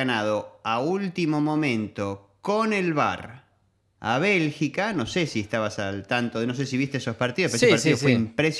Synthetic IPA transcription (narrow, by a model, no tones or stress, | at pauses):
anað̞oault̪imo̞mõ̞mẽnt̪okonelβa̰ɾ | a̰β̞elxikano̞sesiest̪aβasalt̪ant̪oenos̬es̬iβist̪eeso̞spaɾt̪iðopeeeepaɾt̪iðofweimpɾes